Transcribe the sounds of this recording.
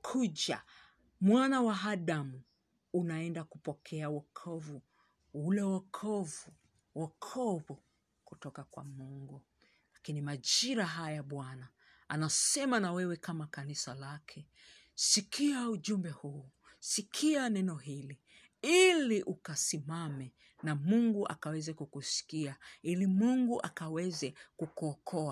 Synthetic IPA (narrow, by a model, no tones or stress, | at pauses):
kʰuʄa̰ | mwanawaɦaɗamu | unaɛndakupɔkʰɛawɔkʰɔvu | ulɛwɔkʰɔvu | wɔkʰɔβu | kutɔkakwa̰muŋɡu | lakinimaʄiɾaɦajaɓwana | a̰nasɛmanawɛwɛkamakanisalakʰɛ | sikʰiauʄumbɛhuː | sikʰianɛnɔɦili | iliʔukasimamɛ | namuŋɡuʔa̰kawɛzɛkukusi̥kiailimuŋɡuʔa̰kawɛzɛkukuɔkʰɔa